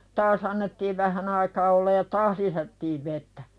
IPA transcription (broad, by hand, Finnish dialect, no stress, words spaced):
tɑːs ɑnːetːiːʋ ʋæhæn ɑikɑː olːɑj jɑ tɑːh lisætːiːʋ ʋetːæ